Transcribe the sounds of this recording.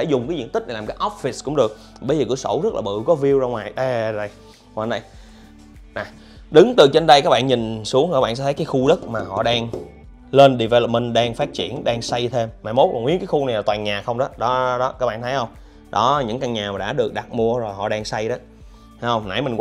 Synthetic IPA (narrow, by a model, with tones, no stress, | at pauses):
t̪ʰe˧˩zʊ˨˩ŋ͡mkaː˨˦jzḭ˧˨ət̪ï˦˥k̚na˨˩lːkːjʔɔ˦˥p̚fi˨˩skʊ̰˧˥ŋ͡mɗɨ˨˩ək̚ | ɓə˧jzəː˨˩kɨ˧˥əso̰˧˩wzə˦˥t̚laː˨˩ɓɨ̰˧˨kɔ˨˦vi˧əwzaː˧ŋwaː˨˩jʔɛ˨˧ɗə˧˩j | ŋwaː˨˩na˧j | na˨˩ | ɗɨ˨˦ŋt̪ɨ˨˩t͡ɕe˧nɗə˧jkaː˦˥k̚ɓa̰ː˧˨nɲï˨˩ŋ̟su˨˦əŋ˨a˦˥ɓaː˧˨nsɛ˧˥t̪ʰkaː˨˦jxu˧ɗə˦˥t̚maː˨˩hɔ̰˧˨ɗaː˧ŋ | le˧nɗi˨˩vɛ˧lp̚mə˧˩nɗaː˧ŋfaː˦˥t̚t͡ɕḭ˧˩˨ənɗaː˧ŋsa˧jt̪ʰe˧mːa̰ː˨˧˩jmo˦˥t̚kɔ˨˩ŋwḭ˨˦˥əkaː˨˦jxu˧na˨˩jla˨˩t̪waː˨˩ɲaː˨˩xə˧wŋ͡mɗɔ˨˦ɗɔ˨˦ɗɔ˨˦kaː˦˥ɓa̰ː˧˨nt̪ʰə˨˦hə˧wŋ͡m | ɗɔ˨˦˨ɲɨ̰˧˥ŋka˧ŋɲaː˨˩maː˨˩ɗa̰ː˧˥ɗɨ˨˩ək̚ɗa˨˩t̚mu˧əzo˨˩jhɔ̰˧˨ɗaː˧ŋsa˧jɗɔ˨˦ | a˨˦jhə˧wŋ͡mna̰˧˥jmi˨˩ŋkw